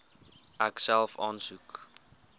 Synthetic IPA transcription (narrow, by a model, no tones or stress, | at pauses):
ʔæksælˠfɑ̰ːnsuk